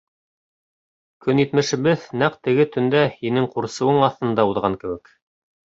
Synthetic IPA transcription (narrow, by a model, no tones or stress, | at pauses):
kɵnjit̪mɘ̆ʃɘ̆βɘðnæqt̪ɘ̆ɡɘt̪ɵ̆nd̪æhinɘŋquɾsɤ̆wɤɴɑθt̪ɤ̆nd̪ɑuðʁɑŋkɘ̆wɘ̆k